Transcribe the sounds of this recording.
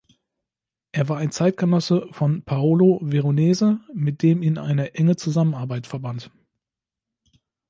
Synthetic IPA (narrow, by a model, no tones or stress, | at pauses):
ʔeːɐvaːɐaɪnt͡saɪt̚ɡ̥ənɔsəfɔnpʰaoloveʁoneːzəmɪt̚d̥eːmiːnʔa̰ɪnəʔɛŋət͡suzamənaɐbaɪtfɛɐbant